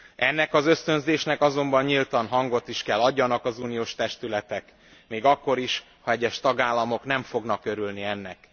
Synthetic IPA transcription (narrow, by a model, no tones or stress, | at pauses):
ɛnːɛkɒzø̞st̪ø̞nzeːʃnɛkɒzo̞mbɒɲɲilt̪ɒnɦɒŋɡo̞t̪iʃkɛlːɒɟːɒnɒkɒzuːnijoːʃt̪ɛʃt̪ylɛt̪ɛk | meːɡɒkːo̞ɾiʃ | hɒɛɟːɛʃt̪ɒɡaːlːɒmo̞kn̪ɛɱfo̞ɡnɒkø̞ɾylniɛnːɛk